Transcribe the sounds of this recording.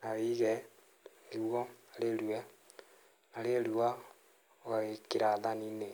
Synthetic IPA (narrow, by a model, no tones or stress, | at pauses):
naβiɣɛ | liβwɔalelwɛ | nalelua | ɣaekiɾaðanine